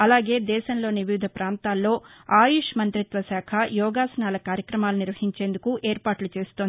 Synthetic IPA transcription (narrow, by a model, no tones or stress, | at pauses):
ɐlaːɡe̞ːd̪ɛːʃɐmlo̞ːniʋiʋd̪ʱɐpɾaːnt̪aːlːo̞ːaːjuʃmɐnt̪ɾit̪ʋɐsaːkʰɐjɔːɡaːsɐnaːlɐkaːɾjɐkɾɐmaːluniɾʋɐɦiɲt͡ʃe̞ːnd̪ukuʔeːɾpaːʈlut͡ʃe̞ːsu̥t̪ond̪i